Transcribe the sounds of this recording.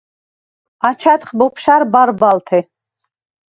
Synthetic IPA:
at͡ʃʰat̪χbɔpʰʃaɾbaɾbalt̪ʰɛ

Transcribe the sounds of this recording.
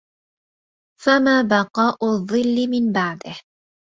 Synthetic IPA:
famaːbɑqɑːʔʊðˤːɨlːɪmɪnbaʕd̪ɪh

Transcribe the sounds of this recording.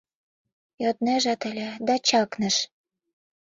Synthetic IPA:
jot̪næʒɑt̪ə̆lʲĕd̪ɑt͡ɕɑknə̆ʃ

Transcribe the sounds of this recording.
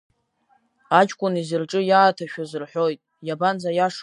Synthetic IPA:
at͡ʃʼkʷʼʊnizɨrʈ͡ʂʼɨjaːtʰaʃᶣazɨrħʷᶣo̞jtʼ | jaband͡zajaʂ

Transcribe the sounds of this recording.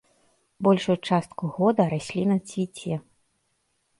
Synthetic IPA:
bɔlʲʂut͡ʂast̪kuɣɔd̪ɐɾasʲlʲinɐt͡sʲvʲit͡sʲɛ

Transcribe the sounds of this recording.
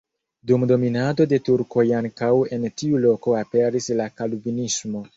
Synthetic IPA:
dumdo̞minado̞de̞tuɾko̞jaŋkawe̞ntiulo̞ko̞ape̞ɾislakalubinismo̞

